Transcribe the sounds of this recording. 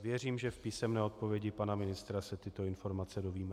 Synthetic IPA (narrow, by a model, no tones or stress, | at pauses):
vjɛriːmʒɛfpiːsɛmnɛːo̞t̪̚po̞vjɛɟɪpanamɪnɪst̪ɾasɛt̪ɪt̪o̞ɪnfo̞ɾmat͡sɛdo̞viːmɛ